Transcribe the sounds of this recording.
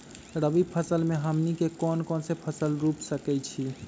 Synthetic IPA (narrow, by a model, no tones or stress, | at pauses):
ɾəbipʰəsəlmeɦəmnikekɔnkɔnsepʰəsəlɾupsəkɛt͡ʃʰi